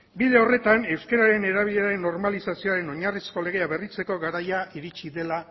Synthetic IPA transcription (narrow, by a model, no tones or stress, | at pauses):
bile̞o̞re̞t̪ane̞wskeɾaɾe̞ne̞ɾaβiʎeaɾe̞nːo̞ɾmalisasio̞aɾe̞no̞ɲarisko̞le̞ɣ̞e̞aβe̞rit͡se̞ko̞ɣaɾajaiɾit͡ʃiðe̞la